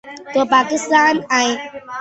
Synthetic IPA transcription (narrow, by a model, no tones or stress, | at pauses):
t̪əpakist̪anaj